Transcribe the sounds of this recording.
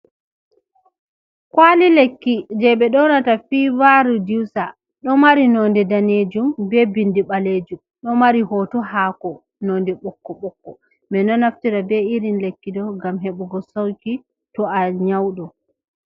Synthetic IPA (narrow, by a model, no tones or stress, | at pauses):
kwalilekːid͡ʒɛɓɛɗɔnatafiːwaɾudiwsa | ɗɔmaɾinɔndɛdaned͡ʒumbɛbindiɓaleːd͡ʒum | ɗɔmaɾihɔtɔhaːkɔ | nɔndɛɓɔkːɔɓɔkːɔ | mɛnɔnaftiɾabɛiɾinlekːidɔɡamɦɛɓɔɡɔsawki | tɔaɲawɗɔ